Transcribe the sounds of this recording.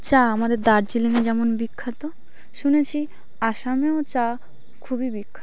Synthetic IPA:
t͡ɕaamad̪eɾd̪aɾd͡ʑiliŋed͡ʑɛmonbikʰːat̪o | ʃunet͡ɕʰi | aʃameot͡ɕa | kʰubibikʰːa

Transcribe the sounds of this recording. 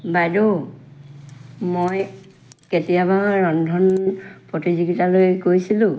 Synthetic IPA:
bajdo | moj | ketijabaɹɔndʱɔnpɹotiziɡitalojɡojsilʊ̃

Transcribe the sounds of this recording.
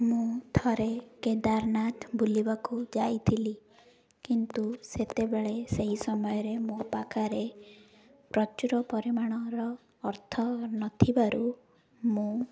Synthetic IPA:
mũt̪ʰɔɾeked̪aɾnat̪ʰbulibakud͡ʒajt̪ʰili | kint̪uset̪ebeɭeseɦisɔmɔjɔɾemũpakʰaɾe | pɾɔt͡ʃuɾɔpɔɾimaɽ̃ɔɾɔː | ɾt̪ʰɔnɔt̪ʰibaɾu | mũ

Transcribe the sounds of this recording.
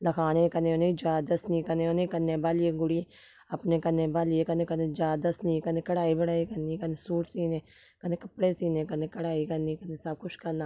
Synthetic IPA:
ləkʰaːnẽːkəneːoneid͡ʒaːd̪əsniːkəneːonẽːkəneːbaːlieːɡʊɽiː | əpneːkənẽːbaːlieːkənẽːkəneːd͡ʒaːd̪əsniːkəneːkəɽaːiːbəɽaːiːkəndiːkəneːsuːʈʰsiːneː | kəneːkəpɽeːsiːnẽːkəneːkəɽaːiːkəndiːkəneːsəb̚kʊʃkənaː

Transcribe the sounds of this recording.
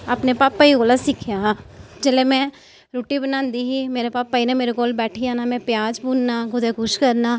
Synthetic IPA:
əpnepaːpːəiɡoːlasɪkʰjad͡ʒəlemɛ̃ | ɾoːʈibənãːnd̪iɦimeːɾepaːpːəinemeːɾeɡoːlbɛːʈʰiaːnamɛ̃pjaːd͡ʒbʱuːnnaɡʊd̪eɡʱʊʃkɐɾnaː

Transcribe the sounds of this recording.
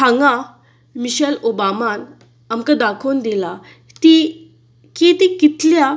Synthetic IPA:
aŋɡã | miɕɛlobaman | amkad̪akʰond̪ila | t̪i | ket̪ikit̪lja

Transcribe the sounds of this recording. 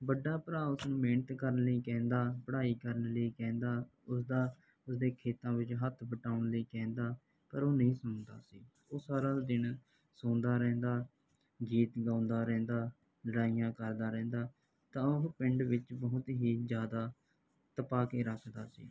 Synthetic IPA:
bəɖːaːpəɾaːʊsnũːmeːnət̪kəɾənləiːkɛ̃ːnd̪aːpəɽaːiːkəɾənləiːkɛ̃ːnd̪aːʊsd̪aː | ʊsd̪eːkʰeːt̪ãːʋɪt͡ʃɦət̪ʰbəʈaːʊnləiːkɛ̃ːnd̪aː | pəɾoːnəĩːsʊnd̪a̰ːsiː | oːsaːɾaːd̪ɪn | sõːnd̪aːɾɛ̃ːnd̪aː | ɡiːt̪ɡaːʊnd̪aːɾɛ̃ːnd̪aː | ləɽaːijãːkəɾd̪aːɾɛ̃ːnd̪aː | t̪ãːʊɦpɪɳɖʋɪt͡ʃbəɦʊt̪ɦiːzjaːd̪aː | t̪əpaːkeːɾəkʰd̪aːsḭː

